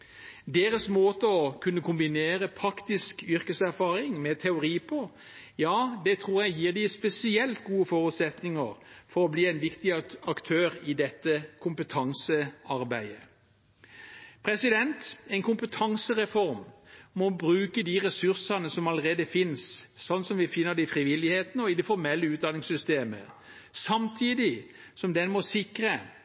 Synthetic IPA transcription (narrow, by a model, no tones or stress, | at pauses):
d̪eːʁəsmoːt̪əɔkʰʉnːəkʊmbɪneːʁəpʰɾɑkt̪ɪskʏɾkəsæʁfɑːʁɪŋmɛt̪ʰɛʊɾiːpʰɔ | jɑːd̪ɛt̪ʰʁuːʁjæɪjiːʁd̪ɪspɛsɪɛlt̪̚ɡuːəfɔːʁʉt̪sɛt̪nɪŋəʁfɔʁɔbliːɛɪnʋɪkt̪ɪɑkt̪ʰøːʁɪd̪ɛt̪ːəkʰʊmpət̪ʰɑŋsəɑʁbæɪə | pʰʁɛsɪd̪ɛnt̪ɛɪnkʰʊmpət̪ʰɑŋsəʁɛfɔʁmmɔbʁʉːkəd̪iːʁɛsʉʁsɑnəsɔmɑləʁeːd̪əfɪnssɔnːsɔmʋɪfɪnːəd̪ɛɪfɾɪʋɪlɪheːt̪nəɔɪd̪ɛfɔɾmɛlːəʉːt̪d̪ɑnɪŋsʏst̪eːmə̰ | sɑmt̪ʰiːd̪ɪ | sɔmd̪ɛnmɔsɪkʁə